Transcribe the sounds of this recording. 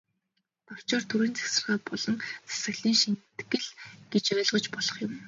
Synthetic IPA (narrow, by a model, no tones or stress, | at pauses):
t̪ɔr̥t͡ɕɔːrt̪ʰuɾiːnt͡sæ̥ksɘ̆rʁaːpɔɮɞ̆ŋt͡sʰḁsɘ̆ɣɮiːŋʃint̪ɡɘ̆ɮɡ̥et͡ɕœːɮʁɞ̆t͡ɕpɔɮɞ̆χjʊm